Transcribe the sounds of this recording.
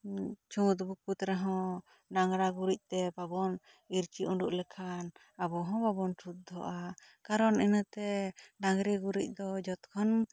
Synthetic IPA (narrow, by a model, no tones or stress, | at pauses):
t͡ʃʰũt̪buk̚ut̪ɾɛɦɔ̃ | naŋɾaɡuɾic̚ˀt̪ɛbabɔn | iɾt͡ʃiʔuɖuʔlɛkʰan | abɔɦɔ̃babɔnʈʰut̪̚d̪ɔʔakaɾɔnɛnət̪ɛdaŋɾɛɡuɾic̚ˀd̪ɔd͡ʒɔt̪kʰɔn